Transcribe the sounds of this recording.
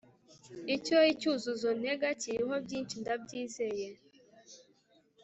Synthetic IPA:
icoicuzuzone̞ɡaciɾiɦo̞bjiːnt͡ʃindabɟiːzeje

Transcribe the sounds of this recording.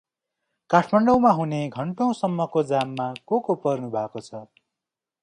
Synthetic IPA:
kaʈʰmʌɳɖʌw̃maɦuneɡʱʌɳʈʌ̃w̃sʌmːʌkod͡zamːakokopʌrnubʱakot͡sʰʌ

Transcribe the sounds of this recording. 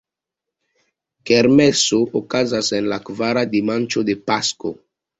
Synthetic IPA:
keɾmɛsoʔokazasenlakvaɾad̪imãnt͡ʃod̪epasko̰

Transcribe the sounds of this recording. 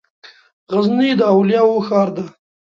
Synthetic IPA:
ɣaznid̪əawljɑwoxɑːɾd̪a

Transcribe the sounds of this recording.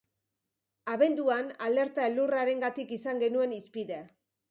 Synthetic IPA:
aβe̞nd̪uanale̞ɾt̪aelːuraɾe̞ŋɡat̪ikisaŋɡe̞nue̞nispiðea

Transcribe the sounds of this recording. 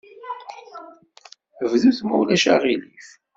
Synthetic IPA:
əvðuθmuwlæʃaʁilif

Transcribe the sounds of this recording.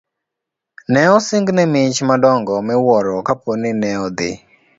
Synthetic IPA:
nɛɔsɪŋɡnɛmɪt͡ʃmadɔŋɡɔmɛwɔɾɔkaponɪnɛɔd̪ɪ̰

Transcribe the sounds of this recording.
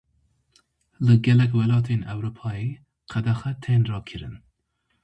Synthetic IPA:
lɨɡɛlɛk̬wɛlɑːt̪ʰenɛwɾupʰɑːe | qʰæd̪axɛt̪ʰɛnɾɑːkʰɨɾɨ̰n

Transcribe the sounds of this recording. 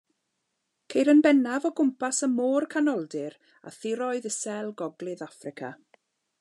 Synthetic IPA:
kʰejɾənbɛnavɔɡʊmpʰasəmoːrkʰanɔlˠdɪɾ | a̰θɪɾɔɨðəsɛlˠɡɔɡlˠɨðafrɪkʰa̰

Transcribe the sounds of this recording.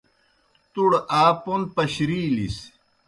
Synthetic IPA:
t̪uɽaːpon̚pɐɕɾiːlḭs

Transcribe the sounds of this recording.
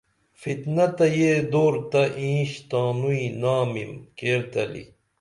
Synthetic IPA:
fit̪nɐt̪ɐjeːd̪oːɾt̪ɐʔĩːɕt̪aːnuinaːmḭmkeːɾt̪ɐ̰lḭ

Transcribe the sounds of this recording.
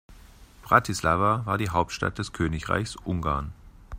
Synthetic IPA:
b̥ʁatʰislaːvavaːɐdiːɦaʊp̚tʃta̰t̚d̥ɛskʰøːnɪçʁa̰ɪçsʔʊŋɡa̰ːɐn

